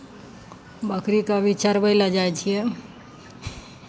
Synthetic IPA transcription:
bəkʰɾikabit͡ʃaɾbəɪlad͡ʒajt͡ʃʰijɛ

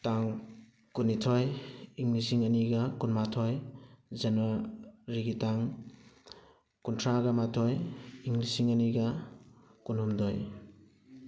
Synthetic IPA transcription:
taŋ | kunːitʰɔjiŋlisiŋɐniɡɐkunmatʰɔjzɐnwaɾiɡitaŋ | kuntʰɾaɡɐmatʰɔjiŋlisiŋɐniɡɐ | kunhumdɔj

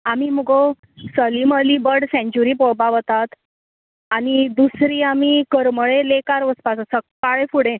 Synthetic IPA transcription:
amiməɡɔ | səliməlibəɽsɛ̃ɲt͡ɕuɾiːpɔɭbaʋət̪at̪ | anid̪usɾiːamikəɾməɭẽlekaɾʋəspasəsəkːaɭefuɽẽ

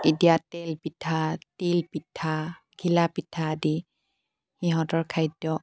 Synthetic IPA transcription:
itijatɛlpitʰatilpitʰːa | ɡʱilapitʰːaːdi | xiɦɔtɔɹkʰajdːɔ

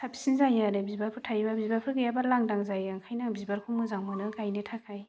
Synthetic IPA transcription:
sʰapʰi̥sinzajaɾɯbibapʰɯtʰajbabibapʰɯɡajabalaŋdaŋzajaŋkʰajnaŋbibaɾkʰuŋmɯzaŋmɯnɯkajnɯtʰakʰaj

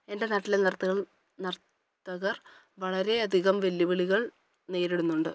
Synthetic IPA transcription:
e̞nde̞naːʈːilenɐrt̪ːɐɣɐɭ | nɐrt̪ː | ɐɣɐr | ʋɐɭɐɾe̞ɐd̪ʱiɣɐmʋe̞lːiʋiɭiɣɐɭ | ne̞ːɾiɽunːuɳɖɨ

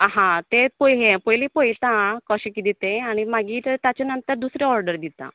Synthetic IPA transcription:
ɦãt̪epojɦepojlepəjt̪ãkəɕẽkid̪it̪eaɽ̃imaɡiːɾt̪at͡ɕenənt̪əɾd̪usɾeɔɾɖəɾd̪it̪a̰

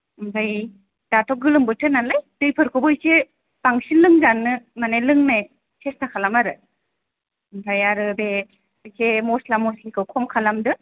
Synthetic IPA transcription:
mbʰaj | d̥atʰɔɡɯlɯmbɯtʰɯnalajdɯjpʰɯɾkʰɯbɯjse | paŋsinlːɯŋzanːɯmanajlɯŋnaj | sʰesnakʰalamaɾɯ | mbʰajaɾɯbe | ɯjsemɔslamɔslikʰɯwkʰɔmkʰalamdɯ

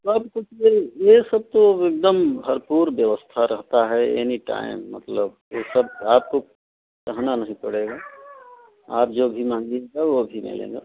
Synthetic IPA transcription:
səbkʊt͡ʃʰbejesəb̚t̪oek̚d̪əmbʱəɾpuːɾbjəʋəst̪ʰaɾəɦt̪aɦɛḛniʈa̰ːɪ̰mːə̰t̪ləb̚ | jesəb̚aːp̚ko | kəɦnanɐɦĩpəɽeɡa | a̰ːp̚d͡ʒoːbʱimãːŋɡieɡaʋobʱimɪ̰lḛ̃ɡa̰

